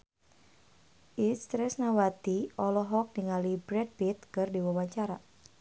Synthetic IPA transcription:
ʔist̪ɾɛsnawat̪iɔlɔɦɔk̚diŋalibɾɛd̚bit̪̚kɨrdiwawaɲt͡ʃaɾa

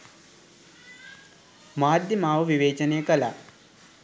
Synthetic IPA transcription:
maːd̪ʱjɐmaːʋɐʋiʋeːt͡ʃɐnejəkɐla̰ː

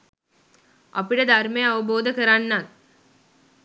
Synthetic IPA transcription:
ʔɐpiɖəd̪ʱarmejɐʋɐboːd̪əkəɾanːan

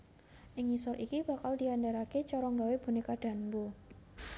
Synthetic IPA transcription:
ʔɪŋisɔɾʔikib̥a̤kald̪i̤andaɾaket͡ʃɔɾɔŋɡaweb̥ṳnekaɖ̥a̤nbo

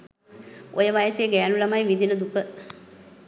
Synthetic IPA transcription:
ojəʋajəseːɡæːnulɐmajʋid̪inəd̪ukə

